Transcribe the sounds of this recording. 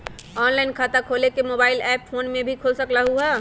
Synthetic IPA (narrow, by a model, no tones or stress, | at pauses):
ɔːnlaːɪnkʰaːt̪akʰoːlekemoːbaːɪlɛːpfʰoːnmẽbʱikʰoːlsəklaɦuɦɛː